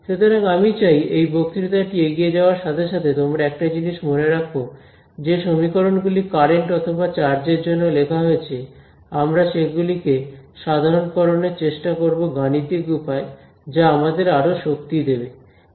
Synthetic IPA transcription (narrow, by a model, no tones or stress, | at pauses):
ʃut̪ʰoɾaŋamit͡ɕajejbok̚t̪iɾit̪aʈieɡied͡ʑaoaɾʃat̪ʰeʃat̪ʰet̪omɾaɛk̚ʈad͡ʑiniʃmoneɾakʰo | d͡ʑeʃomikoɾonɡulikaɾeɳʈɔt̪ʰobat͡ɕaɾd͡ʑeɾd͡ʑonːolekʰaɦoet͡ɕʰe | amɾaʃeɡulikeʃad̪ʱaɾonkɔɾoneɾt͡ɕeʃʈakoɾboɡanit̪iɡupae | d͡ʑaamad̪eɾaɾoʃok̚t̪id̪ebe